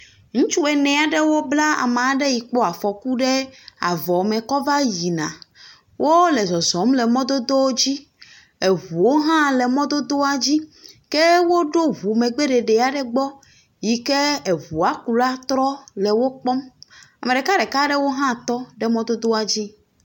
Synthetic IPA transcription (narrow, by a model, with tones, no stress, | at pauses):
ŋũ˦t͡ʃu˦ɛ˨nɛ̃˨a˨ɖe˦wo˦bla˦a̰˨m˨ɖe˦ji˨k͡po˦a˨fɔ˨ku˦ɖe˦a̰˨vɔ˨mẽ˨kɔ˦va˦ji˨nã̰˨ | wʔo˦le˨zɔ˨zɔ˨˦mle˨mɔ̃˦d̪o˦d̪o˦wo˦d͡ʑi˦ | e˨ɦu˨wo˦ɦã˦le˨mɔ̃˦d̪o˦d̪o˦a˨d͡ʑi˦ke˦wo˦ɖo˦βu˨mẽ˨ɡ͡be˦ɖe˨ɖe˨a˨ɖe˦ɡ͡bɔ˦ | ji˨ke˦e˨βu˨a˨˦ku˨la˦t̪ɾɔ˦le˨wo˦k͡pɔ˦ma˨me˨ɖe˨ka˦ɖe˨ka˦ɖe˦wo˦ɦã˦t̪ɔ˦ɖe˦mɔ̃˦d̪o˦d̪o˦a˨d͡ʑi˦